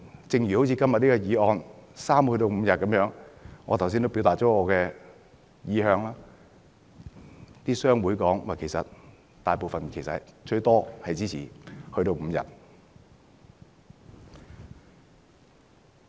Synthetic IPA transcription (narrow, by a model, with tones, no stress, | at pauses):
t͡sɪ˨ŋjyː˨˩ho˨˥wt͡sʰiː˨˧kɐ˥mjɐ˨t̚niː˥kɔ˧jiː˨˧ɔː˧nsaː˥mhɵ˧ɥt̪o˧wm̩ː˨˧jɐ˨t̚kɐ˨˥mjœː˨˥ŋŋɔː˨˧t̪ʰwsiː˥nto˥wpiː˨˥wt̪aː˨˩ɔː˨˥ŋɔː˨˧kɛː˧ | jiː˨˧ɦœː˨˧ŋlaː˥ | t̪iː˥sœː˥ŋwuː˨˥jkɔː˨˥ŋwaː˨˩jkʰe˨˩sɐ̰˨t̚ | t̪aː˨jpo˨wfɐ˨nkʰe˨˩jsɐ̰˨˩t͡ʃɵ˧ɥt̪ɔː˥hɐ˨jt͡siː˥t͡sʰiː˨˩hɵ˧ɥɾo˧wm̩ː˨˧jɐ̰˨t̚